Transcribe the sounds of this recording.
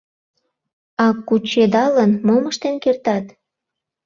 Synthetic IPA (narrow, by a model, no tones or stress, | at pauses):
ɑkut͡ɕed̪ɑlənmoməʃt̪enkert̪ɑt̪